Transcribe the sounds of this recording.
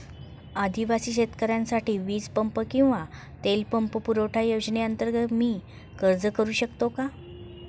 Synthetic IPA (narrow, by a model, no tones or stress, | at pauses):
ad̪ʱiʋasiːɕet̪kəɾjãnsaʈʰiːʋiːd͡zpəmpəkĩw̃ʋa | t̪elpəmpəpuɾoʈʰajod͡ʑneənt̪əɾɡət̪miː | kəɾd͡zəkəɾuːɕəkt̪oka